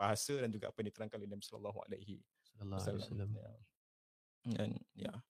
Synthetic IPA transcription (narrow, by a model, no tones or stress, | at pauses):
b̥aɦasədand͡ʒuɡaʔapajãndit̪əɾaŋkanlenabisɔna̰lːɔɦua̰lahḭ | alːaja | ja̰nja̰